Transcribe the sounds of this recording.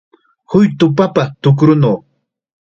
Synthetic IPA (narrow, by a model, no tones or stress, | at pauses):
hʊjt̪ʊpapat̪ʊk̬ɾʊnow